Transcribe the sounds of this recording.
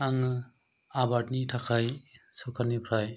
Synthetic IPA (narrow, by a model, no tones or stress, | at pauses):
aŋɯ | abatnitʰakʰajsɔkʰanipʰɾaj